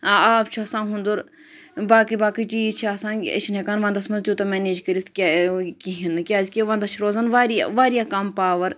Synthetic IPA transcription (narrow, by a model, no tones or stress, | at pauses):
aaːpt͡ʃʰuɐsãːnɦũnd̪uɾ | baːkɨbaːkit͡ʃiːzt͡ʃʰiasãːnḛʃʰinekaːnʋɐ̃nd̪ɐsmɐnzd̪ʲjuːt̪ɐmeːneːd͡ʒkəɾit̪ʰkʲakiɦinɨkʲaːzkʲiʋɐnd̪ɐt͡ʃʰiɾoːzanʋaːɾia̰ʋaːɾijakɐmpaːʋɐɾ